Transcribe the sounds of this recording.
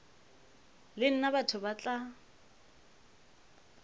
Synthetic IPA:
lɪn̩nabatʰʊbat͡ɬʼa

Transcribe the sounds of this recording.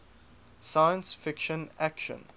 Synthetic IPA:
sajə̃nsfɪkʃə̃nækʃə̰̃n

